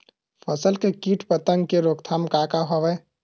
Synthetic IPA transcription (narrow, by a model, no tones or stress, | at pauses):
pʰəsəlkekiːʈpət̪əŋɡkeɾoːkt̪ʰaːmkakaɦɔʋɛ